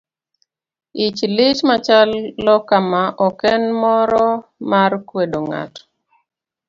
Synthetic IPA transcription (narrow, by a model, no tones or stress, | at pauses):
it͡ʃlɪt͡ʃmat͡ʃalːɔkamaʔɔkɛnmɔɾɔmarkwedoŋa̰t